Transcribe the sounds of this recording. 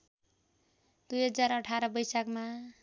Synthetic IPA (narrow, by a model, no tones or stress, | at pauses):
d̪ujɦʌd͡zaɾʌʈʰaɾʌbʌjsakma